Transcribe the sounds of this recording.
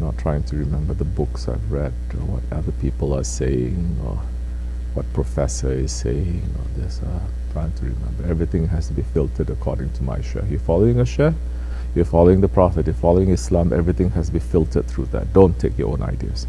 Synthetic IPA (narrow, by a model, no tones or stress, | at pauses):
nɔtʰɹ̥aɪɪ̃ŋtʰuɹimɛ̃mbəðəbʊksa̰ɪvɹɛd | ɔwɔ̰taðəpipəlaseɪɪ̃ŋɔ̰ | wɔt̚pʰɹofɛsəɪz̥seɪɪ̃ŋɔ̰d̪ɪsa | tʰɹ̥aɪɪ̃ŋtʰuɹḭmɛ̰̃mbəɛvɹit̪ɪ̃ŋɦɛstubifɪlˠtʰədəkʰɔ̰dɪ̃ŋtʰuma̰ɪʃɛ̰jɔfɔloɪ̃ŋəʃɛ | jɔfɔloɪ̃ŋd̪əpʰɹɔfət̚jɔfɔloɪ̃ŋɪslãmʔɛvɹit̪ɪ̃ŋhɛstubifɪlˠtʰəd̪̚t̪ʰɹuðɛ̰t̚d̥õntʰekjɔ̰ʔõ̰nʔa̰ɪdiə̰s